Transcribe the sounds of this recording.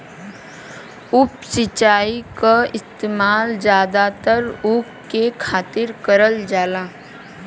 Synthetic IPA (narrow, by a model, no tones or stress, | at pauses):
ʊpsɪt͡ʃaːikaɪst̪eːmaːld͡ʒjaːd̪at̪əɾʊkːekʰaːt̪ɪɾkəɾəld͡ʒaːlaː